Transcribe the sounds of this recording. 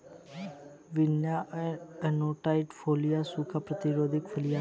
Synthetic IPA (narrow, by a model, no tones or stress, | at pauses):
ʋɪnjaɛnoːʈaɪʈfʰoːlijasukʰapɾət̪ɪɾoːd̪ʱɪkfʰəlija